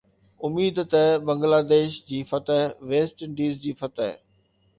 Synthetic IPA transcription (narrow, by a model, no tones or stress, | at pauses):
ʊmiːd̪t̪ɛbɐ̃ŋɡlaːd̪eːʃd͡ʑiːfɐt̪əɦʋeːsʈɪɖiːzd͡ʑiːfɐt̪əɦ